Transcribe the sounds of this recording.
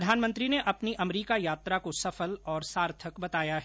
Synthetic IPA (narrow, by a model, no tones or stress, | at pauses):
d̪ʱaːnmə̃nt̪ɾineʔɐpniʔɐmɾiːkajaːt̪ɾakosɐfəlɔːɾsaːɾt̪ʰəkbɐt̪aːjaɦɛː